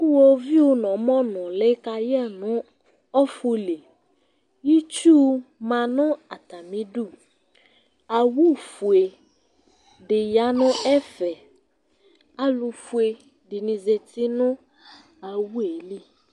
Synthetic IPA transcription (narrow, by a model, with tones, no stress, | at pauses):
kʊ˦wɔ˦vi˦o˨˦nɔ̃˨mɔ̃˦nʊ̃˨lɪ˦ka˨jɛ˦nʊ̃˦ | ɔ˦fu˦le˨ | ji˦t͡ʃu˦mã˨nʊ̃˦a˨ta˨mĩ˦du˦˨ | a˨wu˦fu˨e˨ | dɪ˨ja˨˦nʊ̃˦ɛ˦fɛ˨ | a˦lʊ˨fu˨e˨ | dɪ˨nɪ̃˨ze˨tɪ˦nʊ̃˦ | a˨wu˦e˨li˦